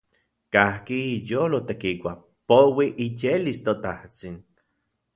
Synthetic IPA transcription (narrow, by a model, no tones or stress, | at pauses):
kahkiijolot̪ekikʷa | powiʔijelist̪ot̪aht͡sin